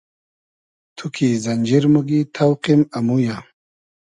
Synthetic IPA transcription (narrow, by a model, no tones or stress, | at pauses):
t̪ʰukʰizɐnd͡ʑiɾmuɡit̪ʰawqimɐmujaː